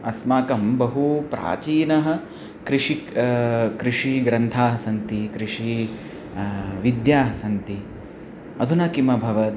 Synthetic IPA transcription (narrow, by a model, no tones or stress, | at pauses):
ɐsmaːkɐmbɐɦupɾa̰ːt͡ʃiːnɐɦɐ̆ | kɾiʂi | kɾiʂiɡɾɐnt̪ʰaːɦɐsɐnt̪ikɾiʂi | ʋid̪jaːɦɐsɐnt̪i | ɐd̪ʱunɐkimɐbʱɐʋɐt̪